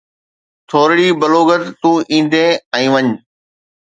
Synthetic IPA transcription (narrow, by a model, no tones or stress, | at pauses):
t̪ʰoːɾɽiːbɐloːɡət̪t̪ːũːʔĩːn̆d̪ẽːɛ̃ːʋɐɲ